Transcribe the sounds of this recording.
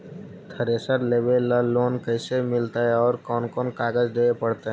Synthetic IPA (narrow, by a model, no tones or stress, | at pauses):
t̪ʰəɾesəɾleːbelːəːoːnkəɪsemɪlt̪aɦɛɔːɾkɔːnkɔːnkaːɡəd͡ʒd̪eːepəɽt̪aɦɛ